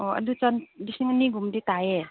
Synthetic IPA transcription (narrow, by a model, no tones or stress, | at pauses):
ɔa̰dut͡sandisiŋaniɡumditaje